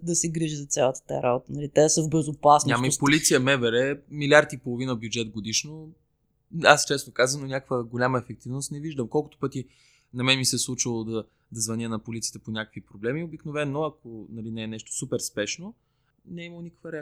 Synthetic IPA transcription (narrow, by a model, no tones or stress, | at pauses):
d̪ɐsɛɡɾiʒizɐt̪sʲalˠət̪ə̥t̪ajaɾabot̪ənɐlit̪ɛsəvbɛzopasnʲamipolit̪sijəmɛvɛɾɛmilʲaɾt̪iːpolˠovinəbjud͡ʒɛt̪ɡod̪iʃno | ast͡ʃɛst̪okazəmnonʲakə̥kvəɡolʲamɐɛfɛk̚t̪ivnost̪nɛviʒd̪əmkɔlˠkʊ̥t̪o̥pɤt̪i | nɐmɛnmisɛslˠut͡ʃilˠod̪ɐ | d̪ɐzvɐnʲənɐpolit̪sijət̪ɛponʲakəkvipɾoblɛmiobiknovɛnːoɐkonɐlinɛːnɛʃt̪o̥supɛɾspɛʃno | nɛiməlˠonikə̥kvəɾɛ